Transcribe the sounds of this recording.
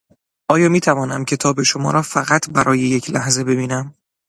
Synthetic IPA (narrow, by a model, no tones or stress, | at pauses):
ʔɒːjɒːmiːt̪ʰævɒːnæmcʰe̞t̪ʰɒːbe̞ʃo̞mɒ̰ːɾɒːfæɣæt̪ʰbæɾʔɒːje̞jecʰlæhze̞be̞biːnæm